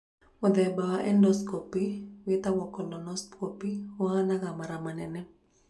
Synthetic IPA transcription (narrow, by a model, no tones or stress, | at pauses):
uðɛbaaʔɛndɔskɔpiwit̪awɔkɔlɔnɔspkopiwanakamaɾamanɛnɛ